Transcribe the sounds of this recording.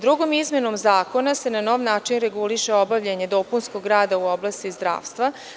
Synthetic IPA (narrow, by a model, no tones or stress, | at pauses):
d̪ɾuɡo̞mizme̞no̞mzaːko̞nase̞nano̞ːʋnaːt͡ʃinɾeɡuliʃeobaʋʎeɲe̞d̪o̞punskoɡɾaːd̪auoblˠaːst̪izd̪ɾa̰ːʋst̪ʋa